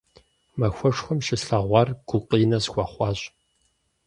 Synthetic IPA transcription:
mɐxʷɔʂxʷɔmʃɪɬɐʁʷɑːrɡ̥ʷʊqʼiːnɐzxʷɑːχʷɑːɕʼ

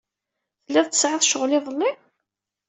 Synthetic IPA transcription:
θəlːæðˤt͡s̪ːə̥sʕɪðˤʃəʁlɪðˤəlːɪ

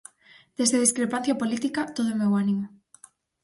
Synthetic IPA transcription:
d̪̥ezðeð̞iskɾepan̟θjapolit̪ikat̪oð̞oemewanimo

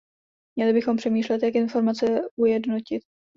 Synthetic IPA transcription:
mɲɛlɪbɪxo̞mpr̥ɛmiːʃlɛt̪jakʔɪnfo̞ɾmat͡sɛʔujɛdno̞cɪt̪̚

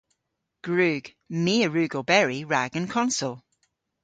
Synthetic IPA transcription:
ɡ̥ɹʉːɡ̥ | miːəɹʉːɡobɛɹiɹaɡə̃nkʰɒ̃nsɔlˠ

